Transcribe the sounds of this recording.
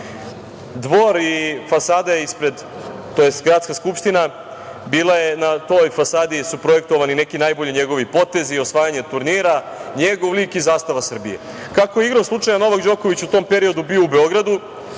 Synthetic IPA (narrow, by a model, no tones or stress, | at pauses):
d̪ʋo̞ɾifasaːd̪ajeispɾe̞d̪ | t̪ojest̪ɡɾat̪skaskupʂt̪ina | biːlˠaje̞nat̪o̞jfasaːd̪isupɾo̞jek̚t̪o̞ʋanine̞kinajbo̞ʎiɲe̞ɡo̞ʋipo̞t̪e̞zio̞sʋaːjaɲet̪uɾniːɾa | ɲeɡo̞ʋliːkizaːst̪aʋasr̩bijḛ | kakojeiɡɾoslˠut͡ʂajano̞ʋakd͡ʑo̞ko̞ʋit͡ɕut̪o̞mpe̞ɾio̞d̪ubioubeo̞ɡɾad̪u